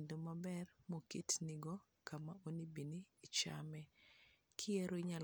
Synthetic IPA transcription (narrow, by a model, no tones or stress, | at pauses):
ndomabɛrmokitnɪɡɔ | kamaʔonibiniːt͡ʃamɛ | kʰɪeɾoiɲal